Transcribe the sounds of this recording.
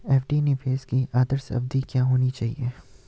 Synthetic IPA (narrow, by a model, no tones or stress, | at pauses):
ɛːfɖinepeːskiʔaːd̪əɾsɐ̰b̚d̪ikjaːɦoːnit͡ʃaːɦieː